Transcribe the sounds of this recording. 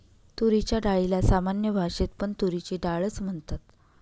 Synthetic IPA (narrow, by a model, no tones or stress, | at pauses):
t̪uɾit͡ɕjaɖaɭilasamanjəbʱaʂet̪pəɳt̪uɾit͡ɕiɖaɭət͡sm̤əɳt̪at̪̚